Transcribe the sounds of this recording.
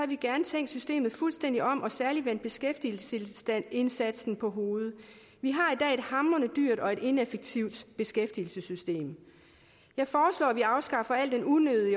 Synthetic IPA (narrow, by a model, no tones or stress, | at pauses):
ɑ̈ʋiɡ̥æɐnət͡sʰeŋ̰d̥sysd̥e̝̰ːmð̩ˠfulsd̥en̰d̥iɒ̽m̰ʔɒ̽sæɐliʋen̰d̥̚b̥e̝sɡ̥efd̥ilsel̥æne̝nsæd̥sn̩pʰɒ̽ɦo̝ːð̞̩ˠ | ʋiɦɑ̈id̥ɛ̰ːe̝d̥hɑ̈mɐnəd̥yɐ̰d̥ɒ̽e̝ɾ̥e̝nefeɡ̥̚t͡sʰiʊd̥b̥e̝sɡ̥efd̥il̩səsysd̥e̝̰ːm | jɑ̈ɪfɒːslɒ̰ːæʋiɑ̈ʊsɡ̥ɑ̈fɐæl̰d̥enunøðˠi